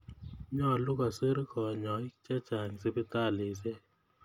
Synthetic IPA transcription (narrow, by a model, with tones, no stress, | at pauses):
ɲɔ˦˨lʊ˦ka˨se˦ɾkɔ˨ɲɔ˨ɪ˦kt͡ʃɛ˦t͡ʃa˨ŋ˨se˦pɪ˦ta˦˨le˨s̬e˦